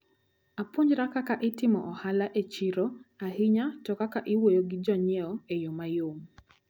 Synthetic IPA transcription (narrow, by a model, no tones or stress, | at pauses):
apoɲd͡ʒɾakakaʔɪtɪmɔ̰ʔɔhalaʔet͡ʃiɾoahɪɲatɔkakaʔɪwojoɡɪd͡ʒɔɲɛɔejomajom